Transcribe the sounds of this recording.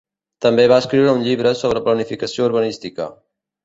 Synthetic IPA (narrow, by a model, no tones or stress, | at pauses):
t̪əmbeβaəskɾiwɾəuɲʎiβɾəsoβ̞ɾəplənifikəsiouɾβənist̪ikə̰